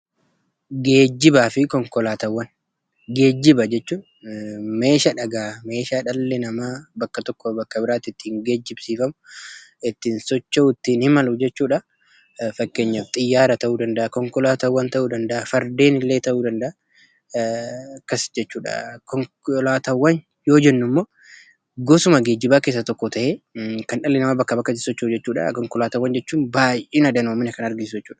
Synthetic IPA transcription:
ɡe̞ːd͡ʒːɪbaːfɪkɔŋkɔlaːt̪ɐwːɐn | ɡe̞ːd͡ʒːɪbɐd͡ʒɛt͡ʃːuː | me̞ːʃɐᶑɐɡaːme̞ːʃaːᶑɐlːɛnɐmaːbɐkːɐt̪ɔkːɔbɐkːɐbɪɾaːt̪ɪt̪ːiːŋɡe̞ːd͡ʒːɪbsiːfɐmʊɪt̪ːiːnsɔt͡ʃːɐʊt̪ːiːnhɪmɐlʊd͡ʒɛt͡ʃːuːᶑɐ | fɐkːeːɲːaft̪ʼɪjːaːɾɐt̪ɐʔuːd̪ɐnd̪ɐʔɐkɔŋkɔlaːt̪ɐwːɐnt̪ɐʔuːd̪ɐnd̪ɐʔɐfɐɾd̪e̞ːnɪlːe̞ːt̪ɐʔuːd̪ɐnd̪ɐʔɐ | kːɐsd͡ʒɛt͡ʃːuːᶑɐ̰kɔŋ | laːt̪ɐwːɐn | jo̞ːd͡ʒɛnːʊmːoː | ɡɔsʊmɐɡeːd͡ʒɪbaːke̞ːsːɐt̪ɔkːɔt̪ɐʔekɐnᶑɐlːɛnɐmɐbɐkːɐbɐkːɐt̪ɪsɔt͡ʃːɐd͡ʒɛt͡ʃːuːᶑɐ̰kɔŋkɔlaːt̪ɐwːɐnd͡ʒɛt͡ʃːuːnbaːjʔeːnɐd̪ɐnoːmɪnɐkɐnɐɾɡɪsʊd͡ʒɛt͡ʃːuːᶑɐ̥

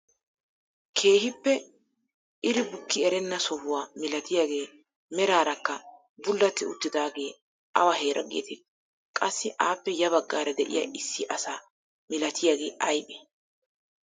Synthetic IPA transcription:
kʰe̞ːhɪpːɛ | ʔɪɾɪbʊkːɪɛɾɛnːɐsɔhʊwaːmɪlɐt̪ɪjaːɡe̞ː | mɛɾaːɾɐkːɐ | bʊlːɐt̪ːɪʊ̰t̪ːɪd̪aːɡe̞ː | ʔɐ̰wɐɦeːɾʔɐ̰ɡḛːt̪ɪ | kʼɐsːɪʔaːpːɛjɐβɐɡːaːɾɐd̪ɛʔɪ̰jɐ̰ʔɪsːɪʔɐsaː | mɪlɐt̪ʰɪjaːɡe̞ːʔɐjbɛ

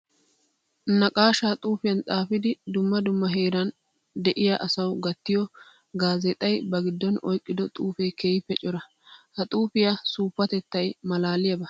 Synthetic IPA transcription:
nɐkʼaːʃaːt̪ʼuːfɪjɐnt̪ʼaːfɪd̪ɪd̪ʊmːɐd̪ʊmːɐɦeːɾɐn | d̪ɛʔɪjaʔɐsɐwɡɐt̪ːɪjɔ | ɡaːzɛt̪ʼɐjbɐɡɪd̪ːɔnɔjkʼːɪd̪ɔt̪ʼuːfejkeːɪpːɛt͡ʃʼɔɾɐ | hɐt̪ʼuːfɪjɐsuːpːɐt̪ɛt̪ːɐjmɐlaːlɪjɐbɐ

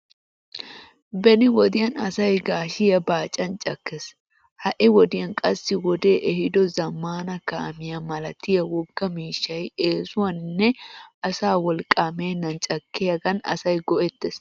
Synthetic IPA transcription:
bɛnɪwɔd̪ɪjɐnɐsɐjɡaːʃɪjɐbaːt͡ʃʼːɐnt͡ʃʼɐkːes | hɐʔɪwɔd̪ɪjɐnkʼɐsːɪwɔd̪e̞ːʔɛhɪd̪ɔzɐmːaːnɐkɐʔɐ̰mɪjɐmɐlɐt̪ɪjɐwɔɡːɐmiːʃːɐjeːsʊwɐnnːɛɐsaːwɔlkʼaːmeːnːɐnt͡ʃʼɐkːɪjɐɡɐnɐ̰sɐjɡɔʔɛt̪ːɛs

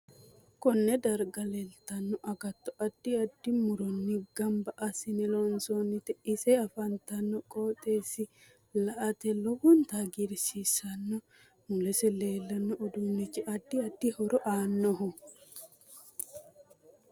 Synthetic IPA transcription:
kɔnːɛd̪ɐɾɡɐlɛlt̪ɐnːɔʔɐɡɐt̪ːɔʔɐd̪̥ːɪɐd̪ːɪmʊɾɔnːɪɡɐmbɐʔɐsɪnɛlɔnsonːɪt̪ɛɪsɛɐfɐnt̪ɐnːɔkʼoːt̪ʼeːsɪ | lɐʔɐt̪ɛlɔhʊnt̪ɐɡɪɾsisɐnːɔ | mʊlɛsɛle̞ːlːɐnːɔʔːd̪ʊmnːɪt͡ʃːɛʔɐd̪ːɪɐd̪ːɪhɔɾɔʔaːnːɔɦɔ

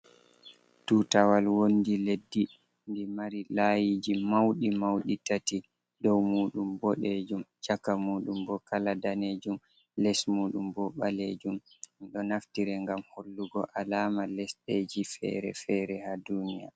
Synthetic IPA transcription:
tuːtawalwondiledːi | ndimaɾilajid͡ʒimawɗimawɗitati | dɔwmuːɗumbɔɗed͡ʒumt͡ʃakːamuːɗumbɔkaladaneːd͡ʒum | lɛsmuːɗumbɔɓaled͡ʒum | ɗɔnaftiɾɛŋɡamholːuɡɔʔalaːmalɛsɗed͡ʒifɛ̰ːɾɛ̰fɛɾɛhadunija

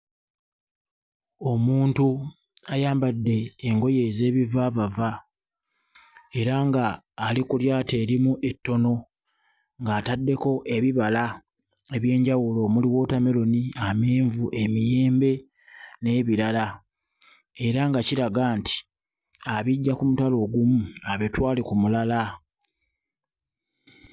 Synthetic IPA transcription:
o̞muːntu | ajaːmbadːe̞ːŋɡo̞je̞ze̞ːβivavava | e̞ɾaŋɡaː | likuljaːte̞ːɾimuʔe̞tːo̞no̞ | ŋɡaːtadːe̞ko̞ʔe̞βiβala | e̞βje̞ːɲɟawulo̞muliwo̞tame̞lo̞niameːɱvuʔe̞mije̞ːmbe̞ | ne̞βiɾala | e̞ɾaŋɡaciɾaɡaːnti̥ | aβiɟːakumutalo̞ːɡumuaβe̞twaːlekumulala

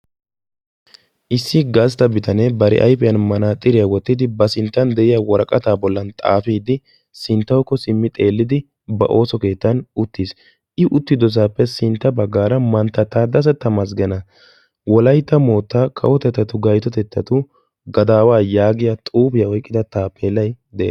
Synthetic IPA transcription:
ʔɪsːɪɡɐst̪ɐbɪt̪ɐnebɐɾɪ̰ʔɐ̰jpɛjɐnmɐnaːt̪ʼːɪɾɪjɐwɔt̪ːɪd̪ɪbɐsɪnt̪ːɐnd̪ɛʔɪjɐwɔɾɐkʼɐt̪aːbɔlːɐnt̪ʼa̰ːfiːd̪ɪ | sɪnt̪ːɐwkːɔsɪmːɪt̪ʼe̞ːlːɪd̪ɪ | bɐ̰ʔo̞ːsɔke̞ːt̪ːɐnʊt̪ːis | ʔɪʔʊt̪ːɪd̪ɔs̬aːpːɛsɪnt̪ːɐbɐɡːaːɾɐmɐnt̪ːɐt̪ːaːd̪ɐs̬ɛt̪ːɐmɐsɡɛnɐ | wɔlɐjt̪ːɐmo̞ːt̪ːakʰɐ̰ʔɔt̪ɛt̪ːɐt̪ʊɡɐjt̪ɔt̪ɛt̪ːɐt̪ʊ | ɡɐd̪aːwaːjaːɡɪjɐt̪ʼuːpɪjɐɔjkʼːɪd̪ɐt̪aːpʰːeːlːɐjd̪ɛʔ

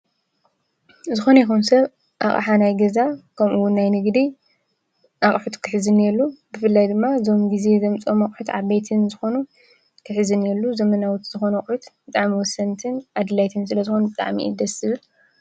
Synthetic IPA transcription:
zɨxo̞nɐjixunsɐβ | ʔa̰χʼħanajɡɐzakʰɐmʔuwʊnːajnɨɡd̪i | ʔaχʼħut̪kʰɨħɨzɨnːelːubɨfɨlːajd̪ɨmːazo̞mɡize̞zɐmt͡sʼomɐkʼħut̪ʕaβbejt̪ʰɨnzɨxo̞nu | kʰɨħɨzɨnelːuzɐmɐnawut̪z̥ɨxo̞nɐχʼħut̪bɨt̪ʼaʕmiwɔsːɐnt̪ʰɨnʔad̪ɨlajt̪ʰɨnsɨlɐzɨxo̞nubɨt̪ʼa̰ʕmḭɨ̰d̪ɐsɨβɨl

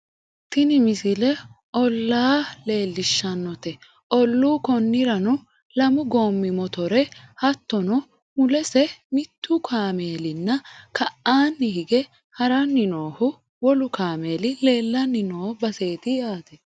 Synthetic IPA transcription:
t̪ɪnɪmɪsɪlɛʔɔlːaːle̞ːlːɪʃːɐnːɔt̪ɛ | ʔɔlːuːkɔnːɪɾɐnʊ | lɐmʊɡo̞ːmːɪmɔt̪ɔɾɛhɐt̪ːɔnɔ | mʊlɛsɛmɪt̪ʰːʊkʰaːme̞ːlɪnːɐkʰɐʔaːnːɪhɪɡɛ | hɐɾɐnːɪnoːhʊ | wɔlʊkaːme̞ːlɪle̞ːlːɐnːɪnoːbɐseːt̪ɪjaːt̪ɛ

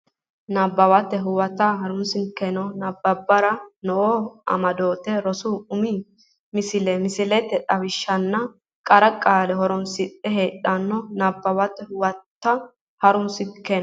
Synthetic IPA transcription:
nabːɐwɐt̪ːɛɦʊwɐt̪ːaɦɐɾʊnsɪŋkɛnɔnɐbːɐbːɐɾɐnɔʔoʔɐ̰mɐd̪o̞ːt̪ɛɾɔsuʊmi | mɪsɪlɛmɪsɪlɛt̪ːɛt̪ʼɐwɪʃːɐnːɐ | kʼɐɾɐkʼaːlɛɦɔɾɔnsɪt̪ʼːɛɦeːᶑɐnːɔnabːɐwɐt̪ːɛhʊwɐt̪ːɐ | hɐɾʊnsɪken

